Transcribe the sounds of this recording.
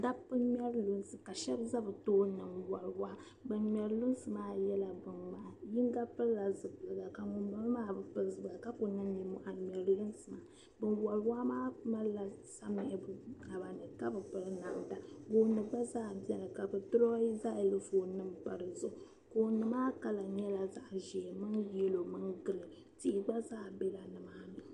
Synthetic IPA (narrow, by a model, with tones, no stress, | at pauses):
da˦pɨ˦nmʲ˦ɛ˦ɾlu˦n˦sɨ˨ka˨ʃɛ˦bza˦bɨ˨toː˦nɨ˨mwa˨lwa˦ | bɨ˨nmʲ˨ɛ˨ɾlu˦n˦sɨ˨maː˦jɛ˦la˨bɨ˨nma˨ji˦ŋ˦ɡa˦pɨ˦lla˨zɨ˨bɨ˨lɨ˨ɡa˨ka˨ŋʊ˨mba˦lmaː˦bɨ˨pɨ˦zɨ˨ba˨ka˦ko˨nɨ˦mɲi˨mo˨ʔa˨mʲɛ˨ɾjɨ˦n˦sɨ˨ma˨ | bɨ˨nwa˨lwa˦maː˦ma˦la˨sa˦mɪ˨ʔɪ˨bna˨ba˨nɨ˨ka˦bɨ˨pɨ˦lɨ˦na˨ʔnta˦ɡo˨˦nɨ˨ɡ͡ba˦zaː˦bɛ˦ɾɨ˨ka˨bɨ˨tɨ˦ɾɔ˦i˦za˦e˨lɨ˦foː˨nɨ˦mpa˨ɾɨ˨zʊ˦˨ | ko˨nɨ˨maː˦ka˨la˨ɲɛ˦la˨za˦ʔʒɛ˨mɨ˦nje˦lo˨mɨ˦nɡɨ˨lɨ˨ | ti˦˨ɡ͡ba˦zaː˦be˦la˨nɨ˨maː˦nɨ˨